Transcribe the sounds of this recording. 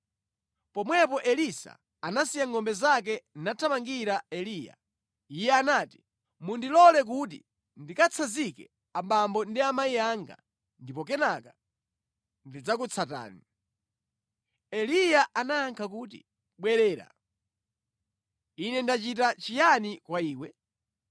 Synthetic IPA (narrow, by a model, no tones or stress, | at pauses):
pɔmwɛpɔʔɛlisa̰ | anasijaŋɔmbɛzak̬ɛnatʰamaŋɡiɾaɛliːja̰ | ijɛanaːti̥ | mundilɔlɛk̬ut̬ḭ | ndikat͡sʰazikɛ̰ | aɓambɔndiamaiaŋɡa̰ | ndipɔk̬ɛnaka | ndid͡zakut͡sʰata̰ːni | ɛlijaʔanaːŋkʰakuːt̬ḭ | ɓwɛɾɛːɾa̰ | inɛndat͡ʃitat͡ʃijanikwaiːwɛ